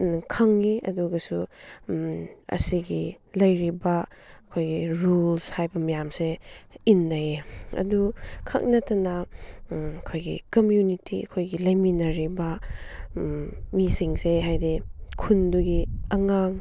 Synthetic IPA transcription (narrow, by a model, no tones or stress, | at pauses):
kʰaŋːiɐ̰duɡɐsu | ɐ̰siɡi | lɐjɾibɐɐkʰojɡiɾulshajbɐmɐjamseinːajeɐ̰dukʰa̰k̚nɐtɐna | ɐkʰojɡḭkomjunitiɐ̰kʰojɡilɐjminɐɾibɐ | misiŋseɦajdikʰunduɡiɐŋaŋ